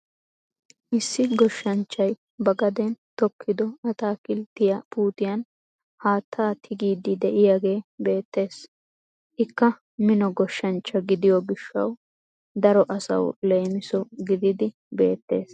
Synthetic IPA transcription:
ʔɪsːɪɡɔʃːɐnt͡ʃːɐj | bɐɡɐd̪ɛnt̪ɔkʰːɪd̪ɔɐt̪aːkɪlt̪ːɪjɐpuːt̪ɪjɐn | haːt̪ʰːaːt̪ʰɪɡiːd̪ɪd̪ɛʔɪjaɡe̞ːbe̞ːt̪ːe̞ːs | ʔɪkːɐ | mɪnɔɡɔʃːɐnt͡ʃːɐɡɪd̪ɪjɔɡɪʃːɐ̰w | d̪ɐɾɔʔɐsɐ̰wleːmɪsɔɡɪd̪ɪd̪ɪ | be̞̰ːt̪ːe̞̰ːs

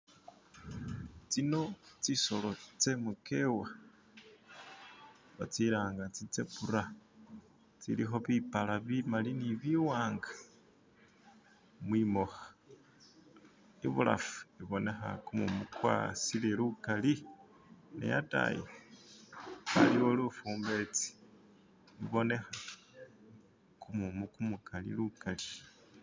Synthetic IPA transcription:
t͡sino̞t͡siso̞lo̞t͡se̞muke̞wa | βat͡siɾaːŋɡat͡sit͡sepuɾa | t͡sḭlixo̞βipalaβimaliniβiwaːŋɡḁ | mwimoxa | iβṵla̰fu̥iβo̞ne̞xa̰kumumukwa̰silelukali | nḛja̰ta̰jḛ | aliwolufuːmbe̞t͡si̥ | iβo̞ne̞xa | kumumukumukalḭlukali̥

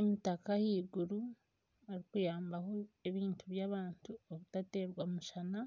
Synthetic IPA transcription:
emitakahiːɡuɾu | aɾikujaːmbaho̞e̞βiːntʰuβjaβaːntʰuoβutate̞ːɾɡwamuʃana

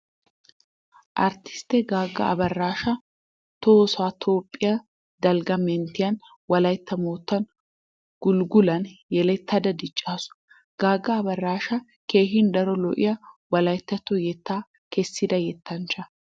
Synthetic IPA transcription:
ʔɐɾt̪ɪ̥st̪ɛɡaːɡːɐ̰ʔɐ̰bɐrːaːʃɐ | t̪oːsaːt̪ʰo̞ːpʼːɪjɐ | d̪ɐlɡɐmɛnt̪ɪjɐn | wɐlɐjt̪ːɐmoːt̪ːɐn | ɡ̥ʊlɡʊlɐnjɛlɛt̪ʰːɐd̪ɐd̪ɪt͡ʃʼːaːsʊ̥ | ɡ̥aːɡːɐːbɐrːaːʃɐ | ke̞ːɦɪnd̪ɐɾɔlɔ̰ʔɪ̰jɐwɐlɐjt̪ːɐt̪ːɔjɛt̪ːaː | kɛsːɪd̪ɐjɛt̪ːɐnt͡ʃːɐ

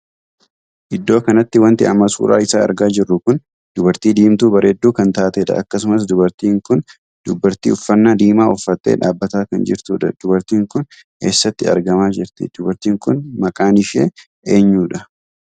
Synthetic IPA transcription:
ʔɪd̪ːo̞ːkɐnɐt̪ːɪwɐnt̪ɪʔɐ̰mːɐsṵːɾa̰ːɪsaːɐ̰ɾɡaːd͡ʒɪrːʊkʊn | d̪̥ʊbɐɾt̪iːd̪iːmt̪uːbɐɾeːd̪ːuːkɐnt̪aːt̪eːᶑɐ̰ʔɐkːɐsʊmɐsd̪ʊbɐɾt̪iːŋkʊn | d̪̥ʊbːɐɾt̪ḭːʊfːɐnːaːd̪iːmaːʊfːɐt̪ːḛːᶑa̰ːbːɐt̪aːkɐnd͡ʒɪ̰ɾt̪uːᶑɐ̰d̪̥ʊbɐɾt̪iːŋkʊn | ke̞ːsːɐt̪ːɪɐ̰ɾɡɐmaːd͡ʒɪɾt̪ɪ̰d̪̥ʊbɐɾt̪iːŋkʊnmɐkʼaːnɪʃe | ʔeːɲːuːᶑɐ

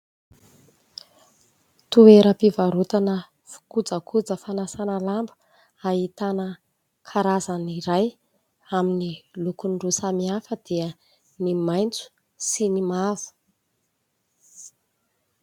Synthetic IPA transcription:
t̪ueɾəpivaɾut̪anə | fu̥kud͡zəkʰud͡zəfanasanalambə̥ | ait̪anə | kʰaɾazaniɾaj | aminilukunɖ͡ʐusamiafəd̪̥iə | nimajnt͡su̥ | sinimavu̥

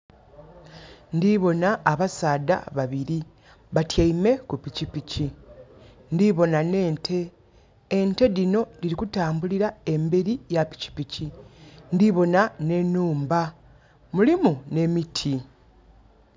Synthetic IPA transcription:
ndiβo̞naːβasaːda̰βaβiɾi | βatjaime̞kupicipici | ndiβo̞nane̞ːntʰe̞ː | nte̞ðino̞diɾikutaːmbuliɾae̞mbeɾijapi̥ci̥picindiβo̞nane̞nːuːmba | mulimune̞mitʰi

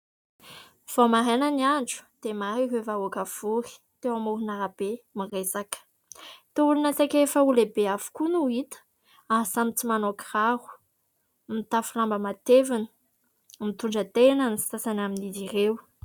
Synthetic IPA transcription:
v̥omaɾenəniaɳɖ͡ʐu̥d̪̥emaɾiɦevaukav̥uɾi̥ | t̪ewamuɾunaɾab̥emiresakə̥ | t̪eulunasakʲefəulebeavu̥kunuit̪ə̥ | aɦsamit͡simanokiraɦu̥ | mit̪afulambəmat̪evinə̥ | mit̪uɳɖ͡ʐət̪enanisi̥sasanaminizirew

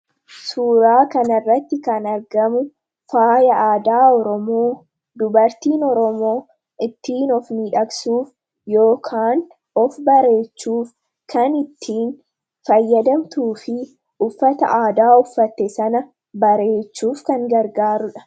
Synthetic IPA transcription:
suːɾaːkɐnɐrːɐt̪ːɪkɐnɐɾɡɐmʊ | faːjɐaːd̪aːɔɾɔmoː | d̪ʊbɐɾt̪iːnɔɾɔmo̞ː | ɪt̪ːiːnɔfmiːᶑɐksuːf | jo̞ːkʰaːn | ɔfbɐɾe̞ːt͡ʃːuːf | kɐnɪt̪ʰːiːn | fɐjːɐd̪ɐmt̪uːfɪ | ʊfːɐt̪ɐ̰ʔaːd̪aːʊfːɐt̪ːɛsɐnɐ | bɐɾe̞ːt͡ʃːuːfkɐŋɡɐɾɡaːɾʊᶑɐ̥

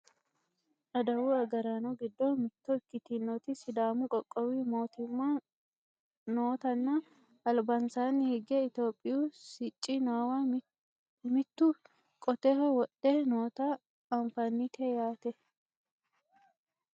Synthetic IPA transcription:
ᶑɐd̪ɐwuːɐɡɐɾanɔɡɪd̪ːoːmɪt̪ːɔɪkːɪt̪inːɔt̪ɪsɪd̪aːmʊkʼɔkʼːɔwiːmoːt̪ɪmːa | noːt̪ɐnːa | ɐlbɐnsaːnːɪhɪɡɛɪt̪jo̞ːpʼːɪjuːsɪt͡ʃʼːinaːwa | mɪt̪ːu | kʼɔt̪eːhɛwɔᶑːeːnoːt̪a | ɐɱfɐnːit̪ʰɛjaːt̪ɛ

